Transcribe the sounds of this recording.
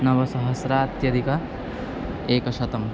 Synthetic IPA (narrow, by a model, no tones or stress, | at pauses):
nɐʋɐsɐɦɐsɾaːt̪jɐd̪ikɐ | eːkɐʃɐt̪ɐm